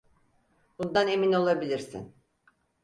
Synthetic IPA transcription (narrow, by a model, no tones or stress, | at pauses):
bund̪ane̞mino̞lˠabilʲiɾsḭn